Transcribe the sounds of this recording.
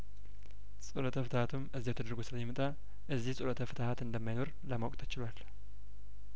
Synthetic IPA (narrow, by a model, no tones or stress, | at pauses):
sʼulət̪ʰəfɨt̪ʰahat̪ʰumʔɨzːiwɛt̪ʰəd̪əɾɡosɨlajɛmɨt̪ʼa | ʔɨzːihsʼulət̪ʰəfɨt̪ʰahat̪ɨnd̪əmːajno̞ɾ | ləmawkʼt̪ʰət͡ʃɪlwal